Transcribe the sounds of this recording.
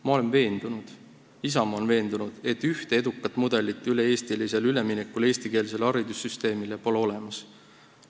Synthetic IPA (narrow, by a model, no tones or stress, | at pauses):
mɑo̞le̞nve̞ːnd̪̥unud̪̥ | isɑmo̞nve̞ːnd̪̥unud̪̥e̞t̪ːyht̪ee̞d̪ukːɑt̪ːˑmud̪̥e̞lit̪ːˑyle̞e̞ːst̪ilise̞lyle̞minekːule̞ːsʲt̪ike̞lse̞lɑɾid̪̥usːyst̪e̞ːmile̞po̞leo̞le̞mɑs